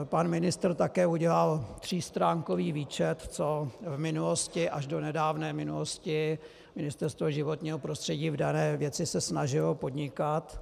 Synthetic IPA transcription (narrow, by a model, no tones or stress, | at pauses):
panmɪnɪst̪r̩t̪akɛːuɟɛlalt̪r̝̥iːst̪ɾaːŋkoviːviːt͡ʃɛt̪t͡so̞vmɪnuloscɪʔaʒdonɛdaːvnɛːmɪnuloscɪ | mɪnɪst̪ɛɾst̪voʒɪvo̞t̪ɲiːɦopɾo̞st̪r̥ɛɟiːvdanɛːvjɛt͡sɪsɛsnaʒɪlo̞po̞dɲɪkat̪